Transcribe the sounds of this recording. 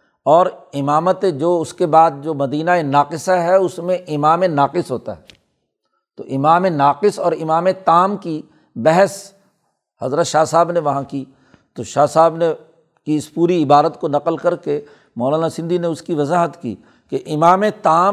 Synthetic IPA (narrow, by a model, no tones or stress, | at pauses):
ɔːɾɪmaːmət̪ed͡ʒoːʊskebaːd̪̚d͡ʒoːmɐd̪iːnaenaːqɪsaɦɛʊsmẽʔɪmaːmenaːqɪsɦoːt̪a̰ɦɛː | t̪o̰ʔɪmaːmenaːqɪsɔːɾɪmaːmet̪aːmki | bɛɦəs | hɐzɾət̪ʃaːsaːbneʋɐɦãki | t̪oʃaːsaːbne | kiɪspuːɾiɪbaːɾət̪konɐqəlkɐɾke | mɔːlaːnasɪ̃nd̪ʱineʊskiʋɐzaːɦət̪kḭː | keʔɪmaːmet̪aː